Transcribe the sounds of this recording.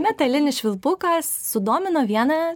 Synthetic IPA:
mʲɛt̪ɐlʲɪnʲɪsʃʲʋʲɪlˠpʊkɐsːʊd̪oːmʲɪnoːʋʲiɛnɐ

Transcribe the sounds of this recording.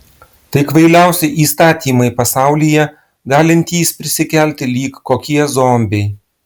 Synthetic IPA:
t̪ɐɪkʋɐɪlʲæˑʊsʲɛʔiːst̪ɑːt̪ʲiːmɐɪpɐsɑˑʊlʲijɛ | ɡɑːlʲɪnʲt̪ʲiːspʲɾʲɪsʲɪkʲɛlʲt̪ʲɪlʲiːkːoːkʲiɛzoːmʲbʲɛɪ

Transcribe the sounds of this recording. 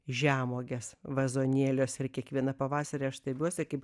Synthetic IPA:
ʒʲæːmoːɡʲesʋɐzoːnʲiɛlʲoːsɪɾkʲiɛkʋʲiɛnɐpɐʋɑːsɐɾʲeːɐʃsʲt̪ʲɐbʲuɔsʲɪkɐɪp

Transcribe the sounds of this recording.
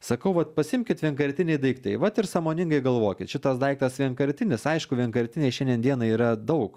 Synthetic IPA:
sɐkɐʊʋɐt̪pɐsʲɪmʲkʲɪt̪ʋʲɛŋkɐɾʲt̪ʲɪnʲɛɪd̪ɐɪkt̪ɐɪʋɐt̪ɪɾsɑːmoːnʲɪŋɡɐɪɡɐlˠʋoːkʲɪt̪ʃʲɪt̪ɐsd̪ɐɪk̚t̪ɐsʋʲɛŋkɐɾʲt̪ʲɪnʲɪsɐɪʃkʊʋʲɛŋkɐɾʲt̪ʲɪnʲɛɪʃʲɛndʲiɛnd̪ʲiɛnɐiːɾɐd̪ɐʊk

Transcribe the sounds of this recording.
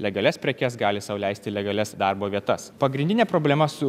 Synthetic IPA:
lʲɛɡɐlʲɛspʲɾʲɛkʲɛsɡɑːlʲɪsɐʊlʲæɪsʲt̪ʲɪlʲɛɡɐlʲɛsd̪ɑɾboːʋʲiɛt̪ɐspɐɡɾʲɪ̃nʲd̪ʲɪnʲeːpɾoːbʲlʲɛmɐsʊ

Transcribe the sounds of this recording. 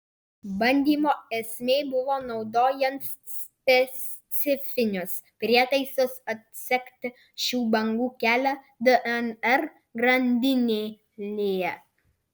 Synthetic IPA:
bɐnʲd̪ʲiːmoːɛsʲmʲeːbʊʋoːnɒʊd̪oːjɛnt̪ | sʲ | pʲɛsʲt̪sʲɪfʲɪnʲʊs | pʲɾʲiɛt̪ɐɪsosɐt̪̚ʲsʲɛkt̪ʲ | ʃʲuːbɐŋɡuːkʲæːlʲæ | d̪əʔɛnɛɾ | ɡɾɐnʲd̪ʲɪnʲeː | lʲeːɛ

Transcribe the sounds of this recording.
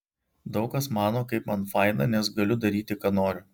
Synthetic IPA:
d̪ɒʊkɐsmɑːnoːkɐɪpmɐnfɐɪnɐ̰nʲɛsɡɐlʲʊd̪ɐɾʲiːt̪ʲɪkɑːnoːɾʲʊ

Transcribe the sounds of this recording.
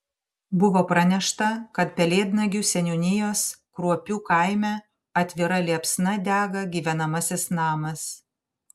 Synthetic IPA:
bʊʋoːpɾɐnʲɛʃt̪ɐkɐt̪̚pʲɛlʲeːd̪nɐɡʲusʲɛnʲunʲɪjoːskɾuɔpʲuːkɐɪmʲɛ | ɐt̪ʲʋʲɪɾɐlʲiɛpsnɐd̪ʲæːɡɐɡʲiːʋʲɛnɐmɐsʲɪsnɑːmɐs

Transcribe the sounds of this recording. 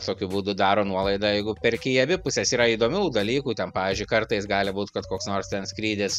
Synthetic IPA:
t̪oːkʲʊbuːd̪ʊd̪ɑːɾoːnuɔlˠɐɪd̪ɑjɛɪɡʊpʲɛɾkʲɪɐbʲɪpʊsʲɛsiːɾɐid̪oːmʲuːd̪ɐlʲiːkuːt̪ʲɛnpɑːʋʲiːzʲd͡ʒʲʊɪkɐɾt̪ɐɪsɡɑːlʲɪbuːt̪kɐt̪koːksnoːrst̪ʲɛnsʲkɾʲiːd̪ʲɪs

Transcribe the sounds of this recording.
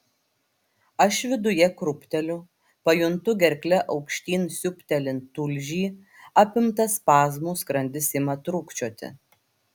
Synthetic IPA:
ɐʃʋʲɪd̪ʊjɛkɾʊpʲt̪ʲɛlʲʊ | pɐjʊnt̪ʊɡʲɛɾʲklʲɛʔɒʊkʃʲt̪ʲiːnsʲʊpʲt̪ʲɛlʲɪnt̪ʊlʲʒʲiː | ɑːpʲɪmt̪ɐspɑːzmuːskɾɐnʲd̪ʲɪsɪmɐt̪ɾʊkt͡ʃʲoːt̪ʲɪ̰

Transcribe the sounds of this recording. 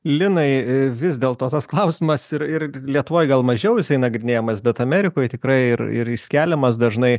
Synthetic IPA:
lʲɪnɐɪʋʲɪzʲd̪ʲeːlˠt̪oːt̪ɐsklˠɐʊsʲɪmɐsɪɾɪɾlʲiɛt̪ʊʋoːjɡɐlˠmɐʒʲɛʊjɪsɐɪnɐɡɾʲɪnʲeːjɛmɐsbʲɛt̪ɐmʲɛɾʲɪkoːjt̪ʲɪkɾɐɪɪɾɪ̰ɾɪsʲkʲæːlʲɛmɐs̬d̪ɐʒnɐɪ

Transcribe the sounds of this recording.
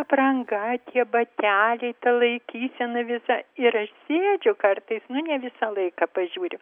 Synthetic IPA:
ɐprɐŋɡɐt̪ʲiɛbɐt̪ʲæːlʲɛɪt̪ɐlˠɐɪkʲiːsʲɛnɐʋʲɪsɐɪɾɐʃsʲeːd͡ʒʲʊkɐrt̪ɐɪsnʊnʲɛʋʲɪsɐlˠɐɪkɐpɐʒʲuːɾʲɪ

